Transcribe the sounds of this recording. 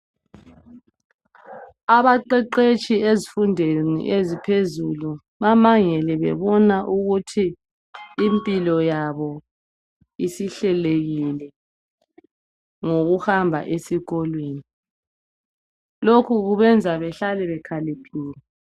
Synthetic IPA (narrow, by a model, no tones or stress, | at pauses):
aβaǃɛǃet͡ʃʼiezifundʱenḭʔezipʰezulu | βamaŋɛlɛβɛ̰βɔnaʔuɣutʰiː | mpʼilɔjaβɔ | isiɬɛleɣilɛ | ŋoɣuhambʱa̰ʔesiɣɔlweːni | lokʰuɣuβɛnd͡zʱaβɛɬalɛβɛkʰalipʰiːlɛ